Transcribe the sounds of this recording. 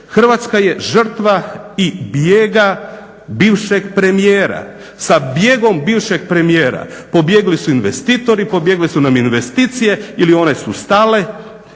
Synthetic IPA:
xr̩ʋat̪skaje̞ʒr̩t̪ʋaibjeːɡa | biːʋʃeɡpɾe̞mijeːɾa̰ | sabje̞ɡo̞mbiːʋʃe̞ɡ̚pɾe̞mije̞ːɾa̰po̞bje̞ɡlisuinʋest̪iːt̪o̞ɾipo̞bje̞ɡlisunaminʋe̞st̪iːt̪sije̞ilio̞ne̞sust̪aːle̞

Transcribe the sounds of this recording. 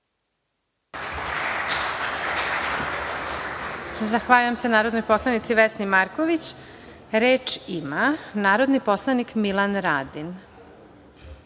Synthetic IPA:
zaxʋaʎujemse̞naːɾod̪nojpo̞slˠanit̪siʋesnimaɾkoʋit͡ɕ | ɾeːt͡ʃimanaːɾo̞d̪nipo̞slˠanikmilˠanɾaːd̪in

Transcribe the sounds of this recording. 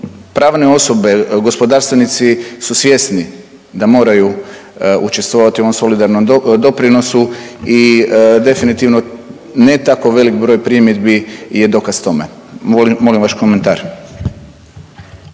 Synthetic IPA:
pɾaːʋne̞o̞sobe̞ɡo̞spo̞d̪aːɾst̪ʋenit̪sisusʋje̞sni | d̪amo̞ːɾaju | ʔut͡ʃe̞st̪ʋoʋat̪ioomso̞lid̪aɾnomd̪o̞pɾinosuid̪e̞finit̪iʋno | net̪akoʋe̞likbɾo̞ːjpɾimjed̪bije̞d̪o̞kast̪o̞me | molimʋaʃkoment̪aːɾ

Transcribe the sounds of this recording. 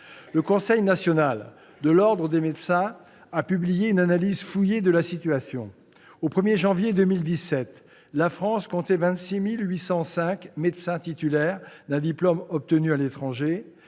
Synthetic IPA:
ləkɔ̃sɛjnasjɔnal | d̪əlɔʁd̪ʁəd̪emed̪sɛ̃ | apyblijeynanalizfujed̪əlasit̪yasjɔ̰̃ | opχəmjeʒɑ̃vjed̪ømild̪isɛt̪ | lafχɑ̃skɔ̃t̪ɛvɛ̃t̪similɥisɑ̃sɛ̃kmed̪sɛ̃t̪it̪ylɛʁd̪ɛ̃d̪iplɔmɔp̚t̪ənyalet̪χɑ̃ʒe

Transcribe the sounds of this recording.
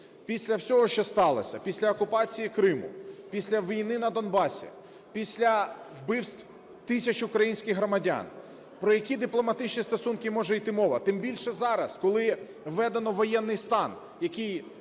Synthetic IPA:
pʲisʲlʲɐwsʲɔɦɔʃt͡ʃɔst̪ɑlˠɐ̰sʲɐpʲisʲlʲɐɔkʊpɑt͡sʲijikɾɪmʊ̰pʲisʲlʲɐʋʲijnɪnɐd̪ɔnbɑsʲḭ | pʲisʲlʲɐwbɪwst̪ʲwʲ | t̪ɪsʲɐt͡ʃʊkɾɐjinʲsʲkɪxɦɾɔmɐdʲa̰n | pɾɔjɐkʲid̪ɪplˠɔmɐt̪ɪt͡ʃnʲist̪ɔsunkɪmɔʒɛjt̪ɪmɔʋɐt̪ɪmbʲilʲʃɛzɑɾɐskɔlˠɪ | ʋːɛd̪enɔʋɔjɛnːɪjst̪ɑn | jɐkɪj

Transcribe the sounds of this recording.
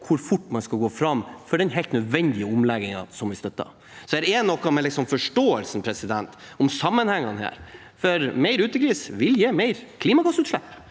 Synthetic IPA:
kʰʊɾfʊʈːmɑnskɑlɡoːfɾɑmːfɔɖɛnɦɛɪlt̪nœd̪ʋɛnd̪ɪəʊmlɛɡɪŋɑ̰sɔmʋɪst̪œt̪ːɑ̰ | sɔæɾɛːnːɔkːɑmɛlɪksɔmfɔʂʈoːəlsn̩pʰɾɛsɪd̪ɛnt̪ | ɔmsɑmːənhɛŋːɑnhæ̰ːɾ | fɔɾmæɪɾʉːt̪əkɾiːsʋɪljeːmæɪɾkʰliːmɑɡɑsːʉːt̪ʂlæpː

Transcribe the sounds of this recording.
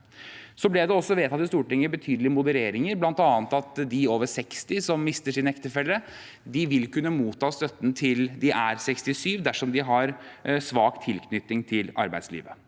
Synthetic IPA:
sɔblɪjæd̪ɛɔsːɔʋeːt̪ʰɑt̪ɪst̪uːʈɪŋːəbət̪ʰyːd̪əlɪmʊd̪əɾeːɾɪŋəɾblɑnt̪ɑːnt̪ɑt̪d̪ɪoːʋəʂɛkst̪ɪsɔmːɪst̪əʂɪnɛkt̪əfɛlːə | d̪ɪʋɪlkʉnːəmuːt̪ʰːɑːst̪œt̪ːən̩t̪ʰɪld̪ɪʔæɾsɛkst̪ɪsyːʋd̪æʂɔmd̪ɪɦɑɾsʋɑːkt̪ʰɪlkʰnʏt̪ːɪŋt̪ʰɪlɑ̰ɾbæ̰ɪslḭːʋə

